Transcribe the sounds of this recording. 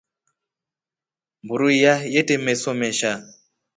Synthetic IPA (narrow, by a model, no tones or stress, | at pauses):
mbuɾuijajetemesomeʃa